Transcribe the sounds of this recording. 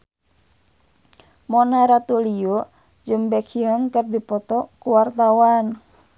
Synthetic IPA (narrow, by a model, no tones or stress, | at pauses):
mɔnaɾat̪ulijo | d͡ʒəmbɛkʰiɔnkərdipɔt̪ɔkuwart̪awan